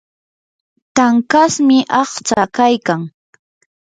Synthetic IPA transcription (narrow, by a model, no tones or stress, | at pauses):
t̪aŋkasmɪʔɑχt͡sakajkaŋ